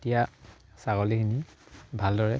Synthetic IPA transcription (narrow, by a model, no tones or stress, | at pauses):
tija | saɡolikʰinibʱaldɔɹɛ